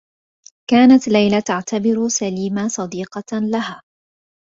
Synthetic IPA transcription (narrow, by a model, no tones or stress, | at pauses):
kaːnat̪lajlat̪aʕt̪abɪɾsaliːmasˤɑd̪iːqɑlahaː